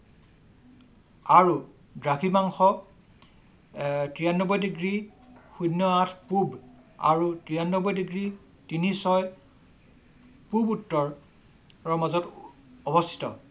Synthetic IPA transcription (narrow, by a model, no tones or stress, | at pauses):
aɹu | dɹakʰimaŋxɔ | tɹijanːɔbɔjdiɡɹixunːɔatʰpub | a̰ɹutɹijanːɔbɔjdiɡɹi | tinisɔj | pubutːɔɹ | ɹɔmazɔtɔbɔstʰi̥tɔ̰